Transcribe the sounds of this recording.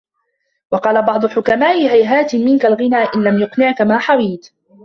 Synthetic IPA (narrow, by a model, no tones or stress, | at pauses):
wɑqɑːlabɑʕd̪ˤʊħʊkamaːʔɪɦajɦaːt̪ɪmɪnkalɣɪnaːʔɪnlamjʊqnɪʕkamaːħawiːt̪